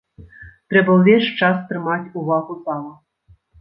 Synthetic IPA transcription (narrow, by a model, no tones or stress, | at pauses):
t̪ɾɛbɐwvʲeɕt͡ʂasp̪ɾɨmatʲuvaɣuzɑlˠɐ